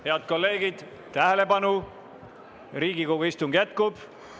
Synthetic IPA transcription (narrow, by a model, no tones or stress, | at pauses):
he̞ɑd̪̥̚ko̞lːe̞ːɡ̥id̪̥ | t̪æɦele̞pɑnu | ɾiːɡikoɡuist̪uŋɡ̥jæt̪̚kub̥